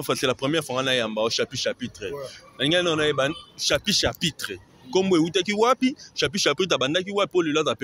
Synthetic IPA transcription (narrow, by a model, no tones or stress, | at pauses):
faselapʁɛmjɛfaŋɡanajambaɔʃapiʃapitʁenaliŋɡnanaebaʃapiʃapitʁe | komboeutakiwapiʃapiʃapitebandak̬iwapipolelzap